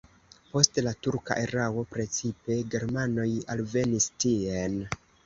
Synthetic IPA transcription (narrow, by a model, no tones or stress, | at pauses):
po̞stlatuɾka̰ʔeɾawo̞pɾe̞t͡sipe̞ɡe̞ɾmano̞jalve̞nistien